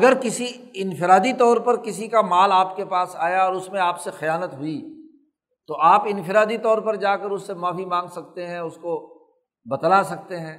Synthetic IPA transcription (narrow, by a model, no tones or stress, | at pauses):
ɐɡəɾkɪsiɪnfɪɾaːd̪it̪ɔːɾpɐɾkɪsikamaːlaːpkepaːsaːjaɔːɾʊsmẽaːpsexɐjaːnət̪ɦʊi | t̪oʔaːpɪ̃nfɪɾaːd̪it̪ɔːɾpɐɾd͡ʒaːkəɾʊsːemaːfimãːŋɡsɐk̚t̪eɦɛ̃ʊsko | bɐt̪lasɐk̚t̪eɦɛ̃ː